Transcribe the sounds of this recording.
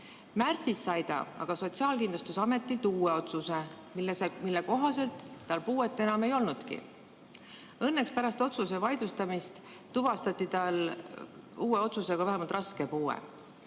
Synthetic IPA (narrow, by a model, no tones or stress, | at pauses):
mært̪sisːɑjd̪̥ɑ̰ɑ̰ɡ̥ɑso̞t̪siɑːlkind̪lust̪usɑme̞t̪ːˑilt̪uːe̞o̞t̪suse̞ | milesemilːeko̞ɦɑse̞lt̪ːɑlpuːe̞t̪ˑːe̞nɑme̞jo̞lnud̪̥kḭ | ɤ̞nːe̞kspæɾɑst̪o̞t̪suse̞vɑjd̪lust̪ɑmist̪ | t̪uvɑst̪ɑt̪ˑːit̪ɑl | uːe̞o̞t̪suse̞ɡ̥ɑvæɦemɑlt̪rɑske̞puːḛ